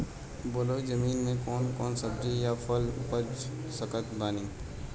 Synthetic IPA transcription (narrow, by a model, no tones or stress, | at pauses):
bolod͡ʒəmiːnmẽkɔːnkɔːnsəb̚d͡ʒejapʰəlpəd͡ʒ | səkət̪baːniː